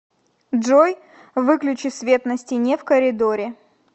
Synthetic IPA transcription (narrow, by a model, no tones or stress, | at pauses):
ʐoj | vɨklʲʉt͡ɕɪsvʲe̞t̪nəsʲtʲɪnʲefkəɾʲɪd̪oɾʲɪ